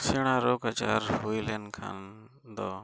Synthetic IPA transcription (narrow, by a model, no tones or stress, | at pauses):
sɪɽ̃ãːɾoːkət͡ʃa̰ːɾhuːileːnkʰã̰ːn | d̪ɔː